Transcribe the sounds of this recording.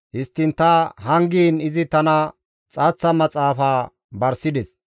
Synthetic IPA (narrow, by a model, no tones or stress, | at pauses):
hɪst̪ːɪnt̪ɐhɐŋɡiːnɪzɪt̪ɐnɐ | t͡sʼɐːt͡sːɐmɐt͡sʼaːfaː | bɐɾsɪd̪ɛs